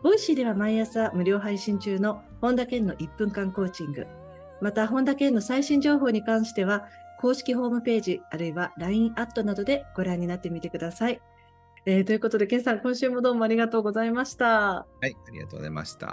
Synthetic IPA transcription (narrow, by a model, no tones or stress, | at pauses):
b̥o̞iɕid̪e̞βamaiasamɯ̟ɾʲo̞ːɦaiɕĩɲ̟t͡ɕɨːno̞ | hõ̞nd̪akẽ̞nːo̞ʔipːɯ̟̃ŋkãŋko̞ːt͡ɕĩŋɡɯ̟̰ | mat̪aɦõ̞nd̪akẽ̞nːo̞saiɕĩɲ̟d͡ʑo̞ːɦo̞ːɲ̟ikãɰ̃ɕi̥t̪e̞β̞ako̞ːɕi̥kʲiɦo̞ːmɯ̟pe̞ːʑiaɾɯ̟iβaɾaĩɰʔat̪ːo̞nad̪o̞d̪e̞ɡ̥o̞ɾãɲ̟ːinat̪ːe̞mʲit̪e̞kɯ̟d̪asai | eːt̪o̞jiɯ̟ko̞t̪o̞d̪e̞kẽ̞ɰ̃sãŋkõ̞ɰ̃ɕɨːmo̞d̪oːmo̞aɾʲiɡat̪o̞ːɡo̞zaimaɕi̥t̪ahaiaɾʲḭɡa̰t̪o̰ːo̰za̰ma̰ɕi̥t̪a̰